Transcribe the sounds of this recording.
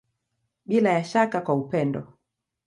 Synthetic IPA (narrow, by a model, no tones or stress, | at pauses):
ɓilajaʃakakwaupɛndɔ̰